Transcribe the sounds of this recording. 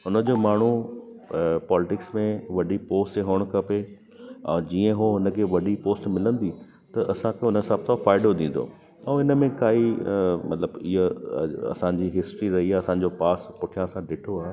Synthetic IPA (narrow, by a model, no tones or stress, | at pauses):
ɦʊnə̆d͡ʑoːmaːɳ̤u | pɔːlɪʈɪksmẽʋɐɖipoːsʈɦoːɽ̃kʰɐpe | ɛ̃ːd͡ʑiːə̃ɦoɦʊnə̆kʰeːʋɐɗipoːsʈmɪlə̃nd̪i | t̪ɐʔɐsãkʰeɦʊnəsaːbsafaːɪɖod̪ĩːn̆d̪o̰ː | ɛ̃ːɪnə̆mẽkaːimɐt̪ləbɪɦəɐ̰sãɲd͡ʑiɦɪsʈɾiɾɐɦiaːɐsãɲd͡ʑopaːspʊʈʰijãɐsãɖɪʈʰoaː